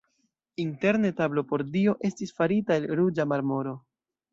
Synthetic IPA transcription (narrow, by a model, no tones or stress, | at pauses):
inte̞ɾne̞tablo̞po̞ɾdio̞ʔe̞stisfaɾitaelɾud͡ʒamaɾmo̞ɾo̞